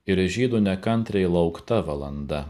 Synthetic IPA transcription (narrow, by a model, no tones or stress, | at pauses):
ɪɾʒʲiːd̪unʲɛkɐnʲt̪ʲɾʲɛɪlˠɐʊkt̪ɐʋɐlˠɐnd̪ɐ